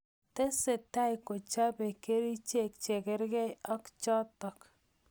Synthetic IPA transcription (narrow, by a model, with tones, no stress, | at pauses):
tɛ˦se˨ta˦ɪ˨ko˨t͡ʃa˦pe˨ke˦ɾi˦t͡ʃe˦˨k̚t͡ʃe˨kɛ˦ɾɡɛ˦ɔ˦kt͡ʃɔ˦tɔ˨k